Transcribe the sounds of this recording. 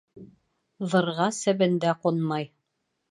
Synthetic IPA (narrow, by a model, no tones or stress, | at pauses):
ðɤ̆ɾʁɑsæ̆βɘ̆nd̪æqonmɑj